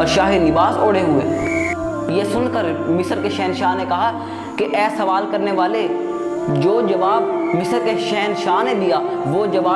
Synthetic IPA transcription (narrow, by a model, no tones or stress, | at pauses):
ɔːɾʃaːɦɪnɪbaːsoːɽeɦʊḛː | jesʊnkəɾmɪsəɾkeʃɛːnʃaːɦnekɐɦa | keʔɛːsɐʋaːlkɐɾneʋaːle | d͡ʒoːd͡ʒɐʋaːb̚mɪsəɾkeʃɛːnʃaːɦned̪ijaʋoːd͡ʒɐʋaː